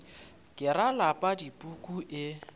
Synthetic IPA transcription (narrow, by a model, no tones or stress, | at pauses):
kʼɪɾalapʼadipʼukʼuʔɪ